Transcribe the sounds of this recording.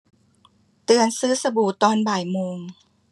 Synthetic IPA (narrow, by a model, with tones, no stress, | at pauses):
t̪ɯ˨˧ənsɯː˦˥sa˧buː˨˩t̪ɔː˧nbaː˨˩jmoː˧ŋ